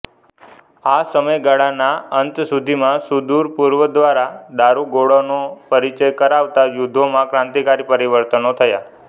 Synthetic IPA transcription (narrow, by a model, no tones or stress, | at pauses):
asəməjɡaɽanaənt̪sud̪ʱimãsud̪uɾpuɾʋəd̪ʋaɾad̪aɾuɡoɽonopəɾit͡ʃəjkəɾaʋt̪ajud̪ʱːomãkɾãnt̪ikaɾipəɾiʋəɾt̪ənot̪ʰəja